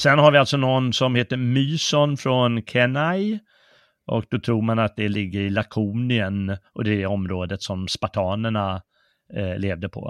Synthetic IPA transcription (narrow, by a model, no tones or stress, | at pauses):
sɛnhaɾvɪalt̪sɔnɔnːsɔmheːt̪əɾmyːsɔnfɾɔnkʰɛnaj | ʔɔ̰k̚d̪̥ɔt̪ʰɾuːɾmanat̪̚d̪ɛlɪɡːəɾɪlakʰuːnɪənʔɔd̪ɛdɛɔmɾoːd̪ət̪sɔmspat̪ʰɑːnəɳa | leːvd̪əpʰɔ̰